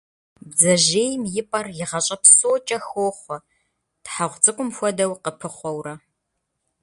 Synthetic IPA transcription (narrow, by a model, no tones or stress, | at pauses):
bzɐʒeːjmjɪpʼɐrjɪʁɐɕʼɐpsowt͡ʃʼɐxoːχʷɔ | tħaʁʷt͡sʼɨkʷʼʊmfʷɔdɐwqəpʰɨχʷɔwrɐ